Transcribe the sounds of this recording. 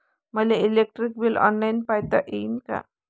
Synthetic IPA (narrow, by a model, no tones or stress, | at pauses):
məleilek̚ʈɾik̚bilʔɔ̰nlajnpajt̪a̰ʔenka̰